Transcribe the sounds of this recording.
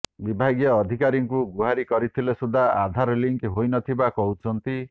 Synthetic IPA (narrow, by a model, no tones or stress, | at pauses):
bibʱaɡjɔːd̪ʱikaɾiŋkuɡuɦaɾikɔɾit̪ʰilesud̪ʱaad̪ʱaɾɔliŋkɦojnɔt̪ʰibakɔɦut͡ʃʰɔnt̪i